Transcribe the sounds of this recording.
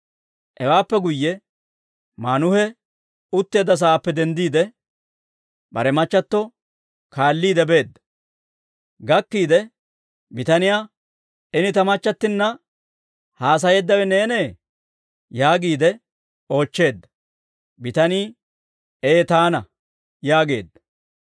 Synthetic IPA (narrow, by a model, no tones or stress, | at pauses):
ʔɛwaːpːɛɡʊjːɛ | maːnʊhɛ | ʊt̪ːe̞ːd̪ːɐs̬ɐːpːɛd̪ɛnd̪iːd̪ɛ | bɐ̰ɾɛmɐt͡ʃːɐt̪ːɔ | kaːlːiːd̪ɛbe̞ːd̪ːɐ̥ | ɡɐkːiːd̪ɛ | bɪt̪ɐnɪjaː | ɛnɪt̪ɐmɐt͡ʃːɐt̪ːɪnːɐ | haːs̬ɐjɛd̪ːɐwɛne̞ːneː | jaːɡiːd̪ɛ | o̞ːt͡ʃːe̞ːd̪ːɐ̥ | bɪt̪ɐniː | eːt̪aːnɐ | jaːɡe̞ːd̪ːɐ̥